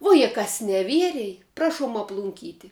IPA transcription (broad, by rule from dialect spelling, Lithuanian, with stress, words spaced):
ˈʋuɔ jɛ ˈkɐs nʲɛˈʋʲiɛrʲɛj ˈprɑːʃuɔm ɐplˠʊŋʲˈkʲiːtʲɪ